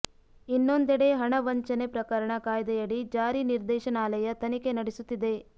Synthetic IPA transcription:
inːond̪ɛɽe̞ɦɐɳɐʋɐɲt͡ʃɐnepɾɐkɐɾɐɳɐkaːjd̪ɐjɐɽid͡ʒaːɾiniɾd̪ɛːʃɐnaːlɐjɐt̪ɐnikenɐɽesut̪ːid̪e̞

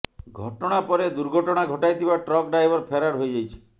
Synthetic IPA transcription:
ɡʱɔʈɔɽ̃apɔɾed̪uɾɡʱɔʈɔɽ̃aɡʱɔʈajt̪ʰibaʈɾɔk̚ɖɾajbɔɾpʰeɾaɾɦojd͡ʒajt͡ʃʰi̥

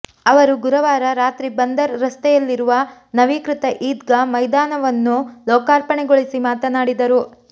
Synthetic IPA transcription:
ɐʋɐɾuɡuɾɐʋaːɾɐɾaːt̪ɾibɐnd̪ɐɾːɐst̪ɛjɐlːiɾuʋɐnɐʋiːkɾit̪ɐʔiːd̪ɡɐmɐjd̪aːnɐʋɐnːulɔːkaːɾpɐɳɛɡoɭisimaːt̪ɐnaːɽid̪ɐɾu

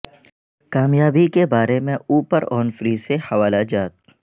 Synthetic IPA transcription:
kaːmjaːbikebaːɾemẽuːpəɾɔːnfɾiːsehɐʋaːlad͡ʒaːt̪̚

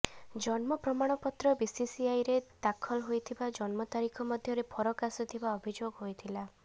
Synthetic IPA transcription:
d͡ʒɔnmɔpɾɔmaɽ̃ɔpɔt̪ɾɔbisisiajɾed̪̥akʰɔlɦojt̪ʰibad͡ʒɔnmɔt̪aɾikʰɔmɔd̪ʱjɔɾepʰɔɾɔkasɔt̪ʰibaɔbʱid͡ʒoɡɦojt̪ʰila

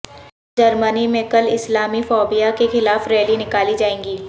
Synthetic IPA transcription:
d͡ʒɐɾmənimẽkɐlɪslaːmifɔːbijakexɪlaːfɾɛːlinɪkaːlid͡ʒaːẽːŋɡiː

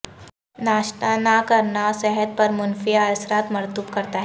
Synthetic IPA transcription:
naːʃt̪anakɐɾnasɛɦəd̪̚pɐɾmʊnfijaɐsɾaːt̪mɐɾt̪uːbkɐɾt̪aɦɛ

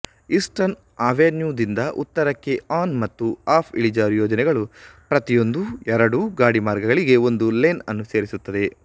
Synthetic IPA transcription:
isʈɐn | aːʋenjuːd̪ind̪ɐʔut̪ːɐɾɐkːe̞aːnmɐt̪ːuaːpʰḭɭid͡ʒaːɾjoːd͡ʒɐnɛɡɐɭupɾɐt̪ijo̞nd̪uɛɾɐɽuɡaːɽimaːɾɡɐɡɐɭiɡe̞o̞nd̪uleːnɐnːuse̞ːɾisut̪ːɐd̪e̞

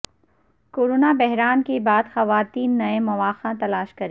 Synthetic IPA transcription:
koːɾoːnabɛɦɾaːnkebaːd̪xɐʋaːt̪iːnːɐemɐʋaːxãt̪ɐlaːʃkɐɾeː

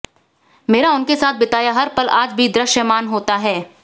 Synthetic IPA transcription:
meːɾaʊnkesaːt̪̚ʰbɪt̪aːjaɦɐɾpɐlaːd͡ʒbʱid̪ɾəʃjəmaːnɦoːt̪aɦɛː

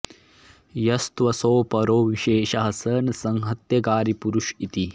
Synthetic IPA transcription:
jɐst̪ʋɐsoːpɐɾoːʋiʃeːʃɐɦɐsɐːnɐsɐŋɦɐt̪jɐɡaːɾipuɾuʃit̪i

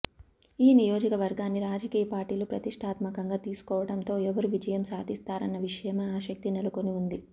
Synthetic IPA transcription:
iːnijo̞ːd͡ʒɐkɐʋɐɾɡaːnːiɾaːd͡ʒɐkiːjɐpaːɾʈiːlupɾɐt̪iʂʈʰaːt̪mɐkɐŋɡaːt̪iːsu̥kɔːʋɐɽɐnt̪o̞ːɛʋɐɾuʋid͡ʒɐjɐmsaːd̪ist̪aːɾɐnːɐʋiʂɐjɐmeaːʃɐk̚t̪inelukoniund̪i

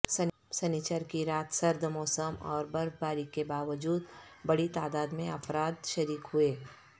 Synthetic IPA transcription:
sɐ | sɐnit͡ʃəɾkiɾaːt̪sɐɾd̪ʱəmɔːsəmɔ̰ːɾbɐɾbaːɾikebaːʋəd͡ʒuːd̪bɐɽit̪aːd̪aːd̪mẽɐpɾaːd̪ʃɐɾiːkɦʊeː

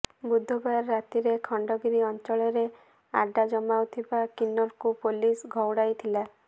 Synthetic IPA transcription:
bud̪ʱːɔbaɾːat̪iɾekʰɔɳɖɔɡiɾiɔnt͡ʃɔɭɔɾe | a̰ɖad͡ʒɔmawt̪ʰibakinːɔɾkupulisɡʱɔwɽajt̪ʰila

